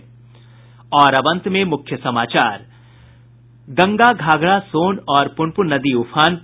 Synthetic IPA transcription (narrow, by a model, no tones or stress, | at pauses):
ɔːɾɐbə̃nt̪mẽmʊkʰjəsɐmaːt͡ʃaːɾ | ɡɐ̃ŋɡaɡʱaːɡɽasoːnɔːɾpʊɳpunɐd̪iʊpʰaːn